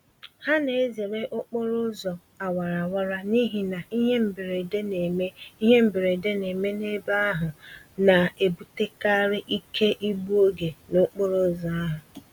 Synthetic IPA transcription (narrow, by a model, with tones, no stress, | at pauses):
ha˦ne˨e˦ze˨ɾe˦ʔʊ˦k͡pɔ˦ɾʊ˦zɔ˨ | a˨wa˨ɾa˨wa˦ɾa˦ni˦ɦi˨na˨i˦ɦe˦m̩˨be˨ɾe˨de˦ne˨me˦i˦ɦe˦m̩˦be˨ɾe˨de˦ne˨me˦ne˦ba˦a˦ɦʊ˨na˨e˨bu˨te˦ka˦ɾɪ˦ʔi˦kʰe˦ʔi˦bu˦o˦ɡe˨nʊ˦k͡po˦ɾʊ˦zɔ˨a˦ɦʊ˨